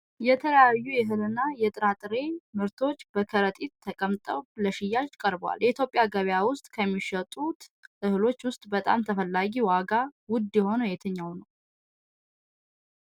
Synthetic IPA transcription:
jɛt̪ʰələjajːujɛɦɨlɨnːajɛt̪ʼɨɾat̪ʼɨɾe̞mɨɾt̪ʰo̞t͡ʃːbəkʰəɾət̪ʼit̪ʰːəkʼəmt̪ʼəwβləʃɪjːat͡ʃkʼəɾbwa̰ljɛit̪jo̞pʼɪjaɡəβjawʊst̪ʼkʰəmːiʃət̪ʼut̪ʔɨhɨlo̞t͡ʃːwʊst̪ʼbət̪ʼa̰mt̪ʰəfəlːaɡiwaɡawʊd̪jɛho̞nəjɛt̪ʰəɲːawnəw

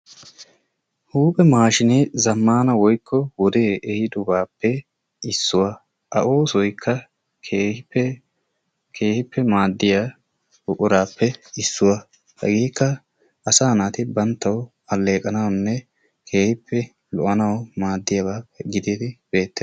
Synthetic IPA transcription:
huːpʼɛmaːʃɪnɛzɐmːaːnɐwɔjkːɔwɔd̪e̞ːɛhɪd̪ɔbaːpːɛ | ɪsːʊwɐ | ʔɐʔoːsɔjkʰːɐ | hɪ | kʰeːhɪpːɛmaːd̪ːɪja | ʊʔʼʊɾaːpːɛɪsːʊwɐ | hɐ̰ɡiːkːɐ | ɐsaːnaːt̪ɪbɐnt̪ːɐw | ɐlːe̞ːkʼɐnɐwnːɛ | kʰeːhɪpːɛ | lɔʔɐnɐwmaːd̪ːɪjɐbaːɛɡɪd̪eːd̪ɪbe̞ːt̪ːɛ

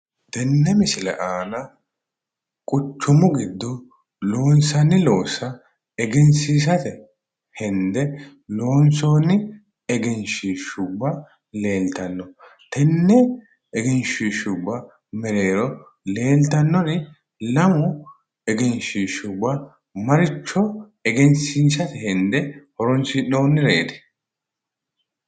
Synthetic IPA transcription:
t̪ɛnːɛmɪsɪlɛ̰ʔaːnɐ | kʼʊt͡ʃːʊmʊɡɪd̪ːʊ | lo̞ːnsɐnːɪlo̞ːsɐ | ɛɡɪnsiːs̬ɐt̪ɛ | hɛnd̪ɛ | lo̞ːnsoːnːɪ | ɛɡɪnʃiːʃʊbːɐ | le̞ːlt̪ɐnːɔ | t̪ɛnːɛ | ɛɡɛnʃiːʃʊbːɐ | mɛɾe̞ːɾɔ | le̞ːlt̪ɐnːɔɾɪ | lɐmʊ | ɛɡɛnʃiːʃʊbːɐ | mɐɾɪt͡ʃːɔ | ɛɡɛnsiːsɐt̪ɛhɛnd̪ɛhɔɾɔnsɪno̞ːnːɪɾḛːd̪ɛ̥

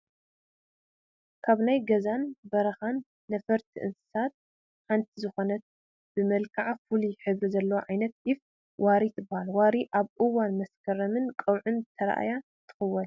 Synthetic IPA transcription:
kʰaβnajɡɐzanbɐɾɐxanː | ɐfɐɾt̪ʰiʔɨnsɨ̥sat̪̚ | ħant̪ʰizɨxo̞nɐt̪̚ | b̥ɨmɐlkʰaʕfuliħɨβɾizɐlːɐwʕajnɐt̪̚jɪf | waɾit̪ʰɨbːahalwaɾiʔaβʔɨwanmɐskʰɐɾɐmɨnkʼɐwʕɨnt̪ʰɐɾa̰ʔa̰ja | t̪ʰɨ̥xɐwːɐn

